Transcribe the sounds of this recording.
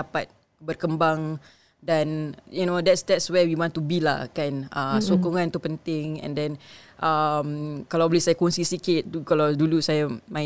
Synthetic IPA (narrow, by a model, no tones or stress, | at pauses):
apat̪̚ | bərkəmbaŋ | danjunodɛtsdɛtswɛwiwɔ̃nt̪ubila̰kanʔəsokoŋãnt̪upənt̪ɪŋɛ̰̃ndɛ̃nʔəmkalawblisajakonsisikɪt̪̚ukalawdulusajamaɪ